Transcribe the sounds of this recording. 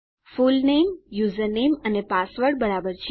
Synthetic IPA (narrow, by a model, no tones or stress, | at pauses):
fulnemjuzəɾnemənepasʋəɾɽbəɾabəɾt͡ʃʰ